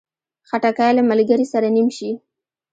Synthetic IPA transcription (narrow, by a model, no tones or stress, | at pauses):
xaʈakɑjlamalɡaɾisaɾanimʃi